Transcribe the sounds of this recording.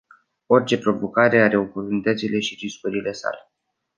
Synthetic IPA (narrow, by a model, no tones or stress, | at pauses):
o̞rʲt͡ʃe̞pɾo̞vo̞kaɾe̞aɾe̞oport̪unit̪ət̪sile̞ʃiriskuɾile̞sa̰le̞